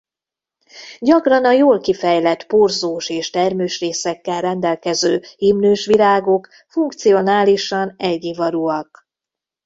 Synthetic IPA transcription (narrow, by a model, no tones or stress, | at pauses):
ɟɒkrɒnɒjoːlkifɛjlɛt̪porzoːʃeːʃt̪ɛrmøːʃreːsɛkːɛlrɛnd̪ɛlkɛzøːhimnøːʃʋilaːɡo̞k | fuŋkt̪sio̞naːliʃɒnɛlɟivɒɾuɒk̚